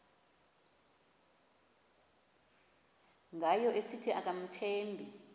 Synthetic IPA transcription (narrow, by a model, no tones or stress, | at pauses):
ŋʱajɔʔesitʰiʔak̬ʼam̩tʰeːmbʱi